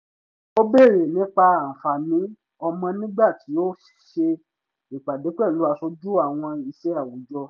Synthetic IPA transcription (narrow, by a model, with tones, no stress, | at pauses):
o˦be˦˨ɾe˨nĩ˨˦k͡pa˧a˨fa˨nĩ˨˦ | ɔ˧mɔ̃˧nĩ˦ɡ͡ba˦˨tʰi˨˦o˦˨ʃe˧ | i˨k͡pa˨de˨˦k͡pɛ˦˨lu˨˦a˧so˧d͡ʒu˦a˦˨w̃ɔ̃˧i˧ʃɛ˦a˦˨wo˨˦d͡ʒɔ˧